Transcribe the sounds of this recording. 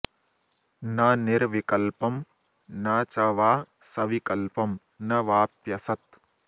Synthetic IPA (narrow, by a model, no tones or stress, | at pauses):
nɐniɾʋikɐlpɐm | nɐt͡ʃɐʋaː | sɐʋikɐlpɐm | nɐʋaːpjɐsɐt̪̚